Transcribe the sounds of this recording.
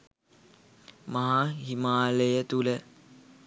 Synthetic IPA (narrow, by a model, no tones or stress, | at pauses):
maɦaɦimaːləjət̪ulə